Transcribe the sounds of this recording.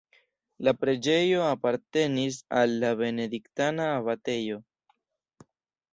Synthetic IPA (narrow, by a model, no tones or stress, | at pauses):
lapɾe̞d͡ʒe̞jo̞apaɾte̞nis̬alːabe̞ne̞diktanaːβate̞jo̞